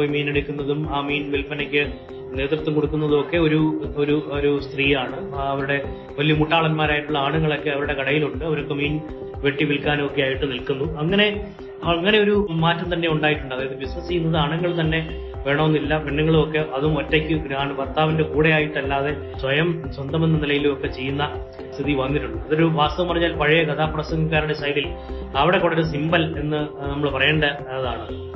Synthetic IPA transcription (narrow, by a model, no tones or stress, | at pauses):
miːneɽukʲːunːɐðumaːmiːnʋilfɐnekʲːɨ | ne̞ːt̪rɐt̪ːumkoɽukːunːɐðumokːe̞o̞ɾuoɾuoɾust̪riːjaːɳɨ | ɐʋɐɾuɽe̞ | ʋɐlijɐmuʈːaːɭɐnmaːɾaːjiʈːuɭːɐaːɳuŋːɐɭo̞kːe̞ɐʋɐɾuɽe̞kɐɽɐjiluɳɖɨɐʋɐɾo̞kːemiːn | ʋe̞ʈːiʋilkaːnmokːeaːjiʈːɨnilkunːuɐŋːɐne̞ | ŋːɐne̞o̞ɾumaːtːɐmt̪ɐnːe̞uɳɖaːjiʈːuɳɖaɐðeɐðɨbisnɐsijːunːɐðɨaːɳuŋːɐɭt̪ɐnːe̞ | ʋe̞ːɳɐmonːilːɐbenːɐŋːɐɭumokːe̞ʔɐðumɐtːekʲːɨɾaːɳɨpɐrt̪aːʋinde̞kuːɽejaːjiʈːɐlːaːðe̞ | swɐjɐmswɐnd̪ɐme̞nːɨnilɐjiluo̞kːe̞t͡ɕe̞jːunːɐ | st̪ʰiðiʋɐnːiʈːuɳɖɨɐðoɾuʋaːst̪ɐʋɐmɐrɐɲːaːlpɐɻijɐkɐt̪ʰaːpːɐrɐsɐŋikʲːaːɾuɽesɐjɾil | ɐʋiɽe̞kuːɽɐoɾus̬imbɐle̞nːɨnɐmːɐɭpɐrɐjeːɳɖɐ | ɐðaːɳɨ